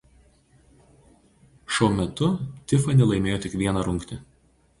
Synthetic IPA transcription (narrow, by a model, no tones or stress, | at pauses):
ʃoːmʲɛt̪ʊt̪ʲɪfɐnʲɛlˠɐɪmʲeːjoːt̪ʲɪkʋʲiɛnɐɾʊŋʲkt̪ʲɪ